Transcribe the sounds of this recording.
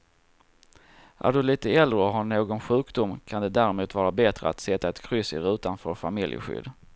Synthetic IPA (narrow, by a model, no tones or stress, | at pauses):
ʔæ̰ɖɵliːt̪əɛld̪ɾəɔɦaɳoːɡɔnɧʉ̟ːkd̪ʊmkʰand̪ɛd̪æɾɪmuːt̪vɑːɾabɛt̪ɾə̰a̰t̪sɛt̪ːaɛt̪kʰɾʏsɪ̰ɾʉ̟ːt̪anfœɾfamɪljə̰ɧʏ̰d̪